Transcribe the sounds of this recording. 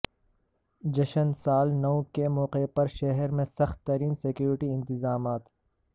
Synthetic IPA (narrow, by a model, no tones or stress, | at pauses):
d͡ʒɐʃənsaːlnɐwkemɔːqepɐɾʃɐɦɛɾmẽsɐxt̪ːɐɾiːnsɪkjuːɾɪʈiɪ̃nt̪ɪzaːmaːt̪